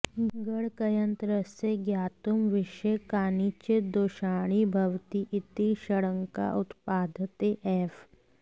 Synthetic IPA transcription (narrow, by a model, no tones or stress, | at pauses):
ɡəɽkɐjə̃nt̪ɾəseɡjaːt̪umʋɪʃekaːnit͡ʃɪd̪oːʃaːɽ̃ibʱɐʋt̪iʔɪt̪iʃɐɽə̃ŋka̰ʔʊt̪paːd̪ʱət̪eʔɛːf